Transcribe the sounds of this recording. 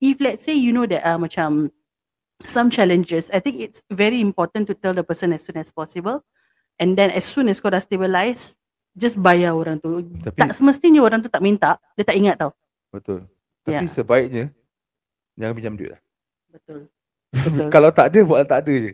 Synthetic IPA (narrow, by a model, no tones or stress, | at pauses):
iflɛtsejunodɛtamat͡ʃãm | sãmt͡ʃɛlə̃nd͡ʒəsajt̪ɪ̃ŋkɪtsvɛɹiĩmpɔt̪ə̃nt̪ut̪ɛldəpəsə̃nɛsːũnɛspɔsibəl | ɛ̃ndɛ̃nɛsːũnɛskɔdastebəlajs | d͡ʒasbajaoɾãŋt̪ut̪atpiaʔsəməst̪iɲəoɾãŋt̪̬ut̪aʔ̚mĩnt̪aʔdet̪aʔiŋat̪̚tːaw | bət̪ʊ̰l | t̪ajaisəbaɪk̚ɲə | d͡ʒãŋãpiɲd͡ʒamdṵʔla̰ | bət̪ʊl | bəʊlkalawt̪aʔdəbaʔlt̪aʔdəd͡ʒə